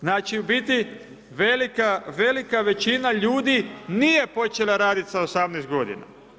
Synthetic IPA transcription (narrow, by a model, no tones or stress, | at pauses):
znaːt͡ʃibit̪i | ʋelikaʋe̞likaʋe̞t͡ʃinaʎuːd̪inije̞po̞t͡ʃelˠaɾaːd̪it̪saosamnɛst̪ɡo̞d̪ḭna̰